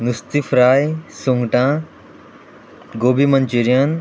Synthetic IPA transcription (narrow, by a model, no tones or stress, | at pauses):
nust̪ifɾaːjsuŋɡʈã | ɡoːbimɐnt͡ʃiɾijan